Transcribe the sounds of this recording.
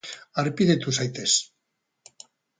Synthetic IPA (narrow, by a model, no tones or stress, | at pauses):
aɾpiðet̪usajt̪es